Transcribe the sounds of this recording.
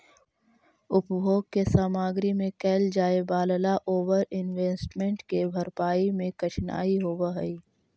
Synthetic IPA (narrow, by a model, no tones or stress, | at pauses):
ʊpbʱoːɡ̚kesaːmaːɡɾimẽkɛːld͡ʒaːebaːləlaʔoːʋəɾɪnʋeːsʈmẽɳʈkebʱɐɾpaːimẽkət͡ʃʰna̰ːiɦoːwaɦəi